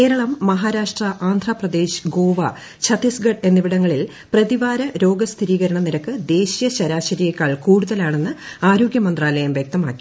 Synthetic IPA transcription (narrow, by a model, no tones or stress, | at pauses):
kke̞ːɾɐɭɐmːɐɦaːɾaːʂʈrɐʔaːnd̪ʱraːprɐd̪e̞ːɕɡoːʋɐ | t͡ɕʰɐt̪isɡɐɖe̞nːiʋiɽɐŋːɐɭil | prɐðiʋaːɾɐɾo̞ːɡɐst̪ʰiɾiːɣɐɾɐɳɐniɾɐkːɨd̪e̞ːɕijɐɕɐɾaːɕɐɾijɐkːaːɭkuːɽuðɐlaːɳe̞nːɨaːɾo̞ːɡʲjɐmɐnd̪raːlɐjɐmʋjɐk̚t̪ɐmaːkːi̥